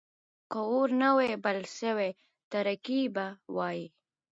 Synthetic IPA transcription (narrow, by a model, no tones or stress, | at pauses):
kəoɾnawebalʃəwe | t̪aɾakibawɑji